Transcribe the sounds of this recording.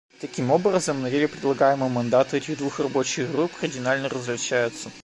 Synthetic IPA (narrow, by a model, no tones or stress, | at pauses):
t̪ɐkʲimobrəzəmnɐdʲelʲʊpɾʲɪdlˠɐɡajɪməmɐnd̪at̪ʊɛtʲɪɣd̪vuxrɐbot͡ɕɪɣɣɾupkɐrdʲɪnalʲnərəzvlʲɪt͡ɕæjʊt̪sːə